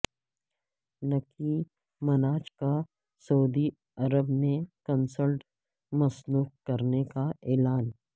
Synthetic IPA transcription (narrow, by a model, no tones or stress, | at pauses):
nɐki | mɐnaːt͡ʃka | sɐud̪i | ɐɾəbnekɐnsəlʈ | mɐsnuːq̚kɐɾnekaɛːlaːn